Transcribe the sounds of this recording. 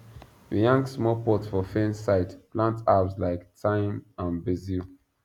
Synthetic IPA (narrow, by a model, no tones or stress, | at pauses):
wəjãŋɡsmɔlpɔtsfɔfẽnsaɪtplãntabslaɪktʰãɪ̃mãnbəzil